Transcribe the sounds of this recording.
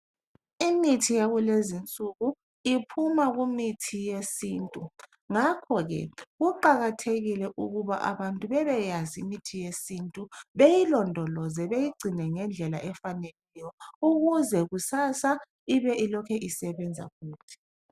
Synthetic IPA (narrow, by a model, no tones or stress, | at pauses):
imitʰijaɣulezint͡sʼuɣu | ipʰumaɣumitʰijesiːntʼu | ŋakʰɔɣɛ̰ɣuǃaɣatʰeɣilɛʔuɣuβaʔa̰βantʼuβɛβɛjazimitʰijesintʼuβejilɔndʱɔlɔzɛβejiɡ͡ǀʱinɛŋɛnd͡ɮʱɛlaʔɛfanelɛjɔuɣuzɛɣusasa | iβɛʔilɔkʰɛʔisɛβɛnd͡zʱa̰fuːtʰi̥